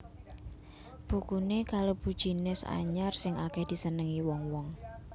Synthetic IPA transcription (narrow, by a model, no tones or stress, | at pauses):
b̥ukunekalob̥ṳd̥ʒ̥inɪsa̰ɲarsɪŋʔakɛhd̪̥i̤sənəŋiwɔŋwɔŋ